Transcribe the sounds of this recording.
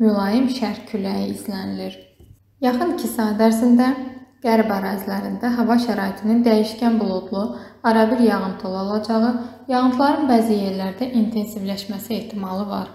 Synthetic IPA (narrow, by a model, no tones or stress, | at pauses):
mylˠɑjimʃæɾcʰylæjiːzlæniliɾ | jɑχɯncʰisɑd̪æɾzind̪æɡ̥æɾbæɾɑzlæɾind̪æɦævɑʃæɾɑːit̪ʰinind̪æjiʃcænbulˠod̪lˠuɑɾɑbiɾjɑʁɯnt̪ʰɯolˠɑolˠɑd͡ʒɑʁɯjɑɣɯnt̪ʰlˠɑɾɯnbæːzije̞ɾlæɾd̪æʔint̪ʰe̞nsivlæʃmæsie̞ht̪ʰimɑlˠɯvɑ̰ɾ